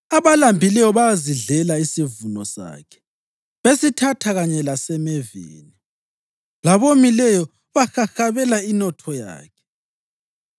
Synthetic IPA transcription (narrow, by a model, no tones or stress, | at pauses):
aβalambʱilɛjɔβaziɮɛlaisivunɔsa̰kʰɛ̥ | βesitʰatʰaɣaɲɛlasɛmevḭːni | laβomilɛjɔ | βaxaxaβɛlainɔtʰɔja̰ːkʰɛ̥